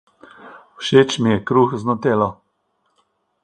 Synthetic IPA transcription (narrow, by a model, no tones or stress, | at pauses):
wʃeːt͡ʃmijɛkɾuxznɔt̪eːlɔ